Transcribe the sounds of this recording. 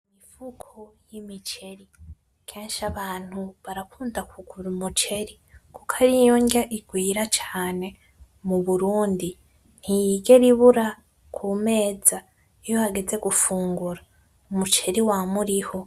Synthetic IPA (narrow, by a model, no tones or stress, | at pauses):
mifukʰojimit͡ʃe̞ɾi | kʰe̞ːnʃaβaːn̥huβaɾakuːndakʰuɡ̥uɾumut͡ʃe̞ɾi | kukʰaɾijoŋɡaʔiɡwiːɾat͡ʃaːne̞ | muβuɾuːndi | n̥hijiːɡe̞ɾiβuɾa | kʰuːme̞ːd͡za | ijo̞haɡe̞d͡ze̞ɡufuːŋɡuɾa | umut͡ʃe̞ɾiwaːmuɾiho